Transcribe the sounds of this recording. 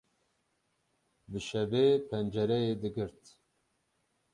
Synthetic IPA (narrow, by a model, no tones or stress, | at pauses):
bɨʃɛbeːpʰɛnd͡ʒɛɾɛjeːd̪ɨɡɨɾt̪